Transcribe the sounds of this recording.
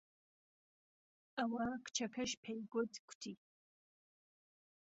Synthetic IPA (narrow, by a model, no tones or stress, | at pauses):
awaːkʷʰt͡ʃʰɐkʰɐʃpʰejɡʷɔdʰkʷʰtʰiː